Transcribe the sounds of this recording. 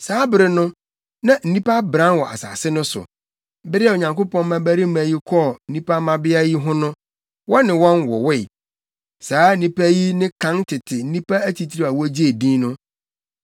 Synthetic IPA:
saː˨˦bɪ˨ɾɪ˦nʊ̃˦ | nã˨n̩˨nĩ˦pa˦bɾã˦nwɔ˨ʔa̰˨sa̰ː˨sɪ˦nʊ̃˦sʊ̰˨˦ | bɪ˦ɾɪ˦a˨o˨ɲã˨ŋko˦pɔ̃˦n˦mã˦bæ˦ɾi˦mæ̃˨ji˦kʰɔ˦n̩˨nĩ˦pʰa˦mã˨bɪ˦a˦ji˦ɦʊ̃˦nʊ̃˦ | wɔ˦nɪ̃˨wɔ̃˦nwɔ̰˨wɪ˦˨ | saː˨˦n̩˦nĩ˦pæ˦ji˦nɪ̃˦kʰã˦ntʰɪ˨tʰɪ˨n̩˦nĩ˦pʰa˦æ˦t͡ɕi˨tʰi˦ɾi˦a˨wɔ˦d͡ʑi˦e˨dĩ˦nʊ̃˦

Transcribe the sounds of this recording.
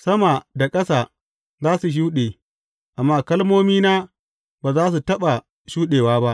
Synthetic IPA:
sɐ˦ma˨da˨kʼɐ˦sa˨ | zaː˦su˨ʃ̬uː˦ɗeː˨ | ʔa˨mːaː˦kɐ˦lmoː˦miː˦naː˦ | baː˨zaː˦s̬u˨tɐ˦ɓa˨ | ʃuː˦ɗeː˨waː˦ba˦ʔ

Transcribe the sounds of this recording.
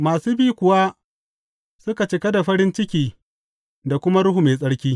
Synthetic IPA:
maː˨suː˦biː˦kʷʊ˨wa˦ | sʊ˦ka˨t͡ʃɪ˨ka˦da˨ɸɐ˦ɾɪ˦nt͡ʃɪ˦kʲiː˨ | da˨kʷʊ˦ma˦ɽʊ˦ɦu˨meː˨sʼɐ˦ɽkʲiː˦

